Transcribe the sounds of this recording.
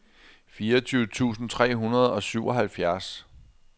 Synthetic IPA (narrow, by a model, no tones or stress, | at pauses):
fiːɐɒt͡sʰyʊt͡sʰṵːsn̩t͡sʰʁɛ̰ːɦunɐðˠɒ̽syʊ̰ʔɒ̽ɦælfjæɐs